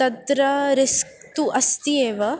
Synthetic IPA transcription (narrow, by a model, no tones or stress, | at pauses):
t̪ɐd̪ɾɐɾeskt̪uʔɐst̪ieːʋɐ